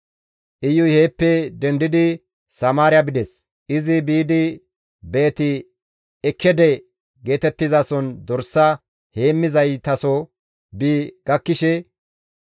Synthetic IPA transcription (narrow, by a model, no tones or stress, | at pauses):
ʔɪjːʊheːpːɛd̪ɛnd̪ɪd̪ɪ | sɐmaːɾɪjɐbɪd̪ɛs | ʔɪzɪbiːd̪ɪ | be̞ːt̪ɪ | ɛkʰːɛd̪ɛ | ɡe̞ːt̪ɛt̪ːɪzasɔnd̪ɔɾsːɐ | he̞ːmːɪzɐjt̪ɐsɔ | biɡ̥ɐkːɪʃɛ